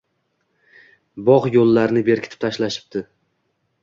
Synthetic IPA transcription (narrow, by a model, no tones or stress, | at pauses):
bɒʁjolːaɾnɪbe̞ɾkʲʰɪ̥t̪ʰɪ̥p̚t̪ʰaʃlaʃɪ̥p̚d̪ɪ